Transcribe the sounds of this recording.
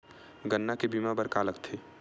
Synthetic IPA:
ɡənːakebimabəɾkaːləkt̪ʰe

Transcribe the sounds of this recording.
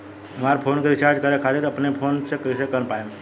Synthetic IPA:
ɦəmaɾpʰonkeɾit͡ʃaɾd͡ʒkəɾekʰat̪iɾəpnepʰonsekɾisekənpajum

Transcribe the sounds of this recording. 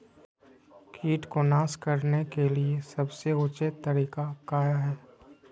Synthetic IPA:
kʰiːʈkonaːskɐɾnekeliesɐbseʊt͡ʃet̪ːəɾiːkakaːjaɦɛː

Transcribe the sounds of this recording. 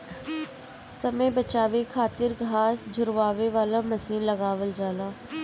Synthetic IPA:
səməjbət͡ʃaːʋekʰaːt̪ɪɾɡʱaːsd͡ʒʱʊɾʋaːʋeʋaːlaməsiːnləɡaːʋəld͡ʒaːlaː

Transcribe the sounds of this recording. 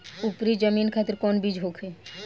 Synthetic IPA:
upɾid͡ʒəminkʰat̪iɾkɔnbid͡ʒɦokʰe

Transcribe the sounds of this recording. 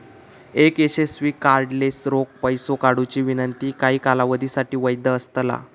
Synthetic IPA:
ekeɕesʋiːkaɾɖlesɾok̚pəjsokaɽut͡ɕiːʋinənt̪iːkaɦiːkalaʋəd̪ʱisaʈiːʋəjd̪əəst̪la̰

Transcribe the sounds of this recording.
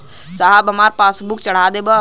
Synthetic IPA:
saɦəbəmaːɾpaːsbukt͡ʃəɽ̤ad̪eːbə

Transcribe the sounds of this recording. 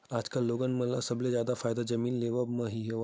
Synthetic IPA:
aːd͡ʒkalːoːɡənmɐ̃lɐ̰sɐblezjaːd̪afaːjd̪ad͡ʒɐmiːnleːʋamɐ̃ɦiɦoʋ

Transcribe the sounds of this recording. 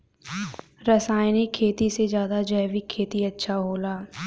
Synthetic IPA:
ɾɐsaːɪnikʰːeːt̪ised͡ʒjaːd̪ad͡ʒəːʋikʰːeːt̪iɐtːʃʰaɦoːlaː

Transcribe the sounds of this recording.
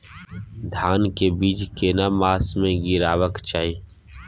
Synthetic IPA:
d̪ʱaːnkebiːd͡ʒkenamaːsmẽɡɪɾaːʋəkt͡ʃaːiː

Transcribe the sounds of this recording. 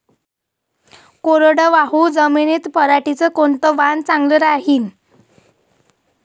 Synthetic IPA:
koɾɽəʋaɦud͡zəminit̪pəɾaʈit͡səkoɳt̪əʋant͡saŋɡləɾaɦiːn

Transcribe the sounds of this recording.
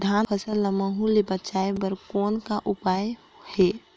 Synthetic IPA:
d̪ʱanpʰəsəlːəməɦulebət͡ʃaebəɾkɔːnkaʔupaj | he

